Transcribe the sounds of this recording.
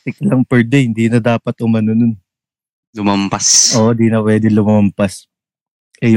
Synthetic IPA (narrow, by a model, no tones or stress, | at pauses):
t̪ɪklɐŋpɛɹd̪ɛjhɪnd̪iːnɐd̪aːpɐt̪ʔʊmɐnonon | lʊmɐmpasʔoːʔnd̪iːnɐpwɛːd̪ɪŋlʊmmɐmpas | ʔɛj